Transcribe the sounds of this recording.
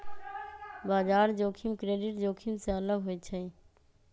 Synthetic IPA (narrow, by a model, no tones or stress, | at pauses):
baːzaːɾd͡ʒoːkʰimkɾeːɖɪʈd͡ʒoːkʰimsẽələɡɦoit͡ʃʰəĩ